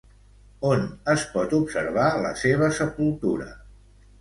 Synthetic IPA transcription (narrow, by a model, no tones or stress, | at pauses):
onəspɔt̪ubsəɾβalə̰seβ̞əsəpulˠt̪uɾə̰